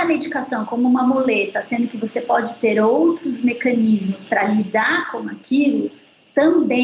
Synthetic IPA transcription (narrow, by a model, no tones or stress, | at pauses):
ɐmed͡ʒikasɐ̃w̃kõmʊũmɐmolet̪ɐsẽnd̪ʊkɪvosepɔd͡ʒɪt̪eɾowt̪ɾʊzmekɐ̃nizmʊspɾɐlid̪aɾkõakʰilʊ | t̪ɐ̃bẽ